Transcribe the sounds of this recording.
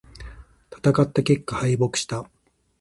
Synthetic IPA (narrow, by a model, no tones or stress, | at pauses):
t̪ʰḁt̪akat̪ːakʲe̞kːahaibo̞kɯ̟̥ɕi̥t̪a